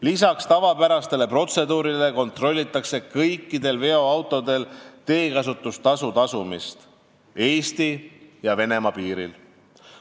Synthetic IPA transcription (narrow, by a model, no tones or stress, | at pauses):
lis̬ɑkst̪ɑvɑpæɾɑst̪e̞le̞pro̞t̪se̞d̪uːɾile̞ko̞nt̪ro̞lʲːit̪ːˑɑkse̞kɤjkːˑid̪̥e̞lve̞o̞ɑwt̪ːˑo̞d̪e̞lt̪e̞ːkɑsut̪ːˑust̪ɑsut̪ɑsumist̪ | e̞ːst̪ijɑve̞ne̞mɑpiːɾḭl